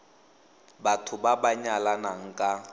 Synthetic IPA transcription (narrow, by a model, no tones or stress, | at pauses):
batʰʊbabaɲalanaŋ̩kʼa